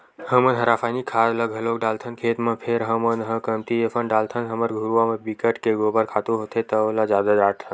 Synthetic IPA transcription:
həmənɦəɾaːfʰaːnikʰaːɾləɡɦəloːkɖaːlt̪ʰənkʰeːt̪mə̃pʰeɾɦəmənɦə̃kəmt̪iefʰənɖaːlt̪ʰənɦəməɾɡʱuɾuʋamẽbikəʈkeɡoːbəɾkʰaːt̪uɦoːt̪ʰet̪əlad͡ʒjaːd̪ad͡ʒaɽt̪ʰən

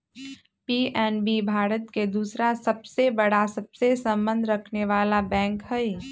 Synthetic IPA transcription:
piːʔɛːnbibʱaːɾət̪ked̪uːsɾasɐbsebɐɽasɐbsesɐ̃mbə̃nd̪ʱɾɐkʰneʋaːlabɛ̃ːŋkɦɛi

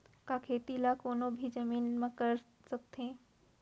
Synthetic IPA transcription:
kakʰeːt̪ilakoːnõbʱid͡ʒɐmiːnmẽkɐɾ | sɐk̚t̪ẽː

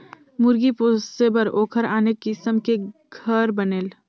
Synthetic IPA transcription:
mʊɾɡipoːsebəɾoːkʰəɾaːnekɪsəmkeɡʱɐɾbɐneːl

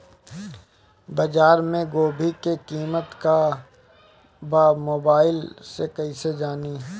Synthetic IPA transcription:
bəd͡ʒaːɾmẽɡoːbʱikekiːmət̪ka | baːmoːbaːɪlsekɐɦised͡ʒaːni

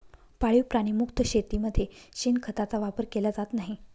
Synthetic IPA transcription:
paɭiwpɾaɽ̃imukt̪əɕet̪iməd̪ʱːjeɕinkʰət̪at͡saʋapəɾkelad͡zat̪naɦi

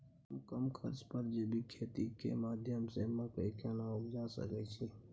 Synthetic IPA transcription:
əmkəmkʰəɾt͡ʃpəɾd͡ʒeːbʱikʰeːt̪ikḛmaːd̪ʱjəmsemãkəikaːnaʊkd͡ʒaːsə̰kɛt͡ʃʰe

